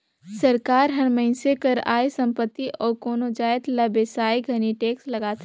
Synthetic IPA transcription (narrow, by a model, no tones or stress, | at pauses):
sɐɾkaːɾɦɐɽməɪnsekɐɾa̰ːjsɐ̃mpət̪ːiʔɔːɾkoːnod͡ʒaːjt̪lɐbesaːjɡʱɐniʈeːkslɐɡaːt̪ʰ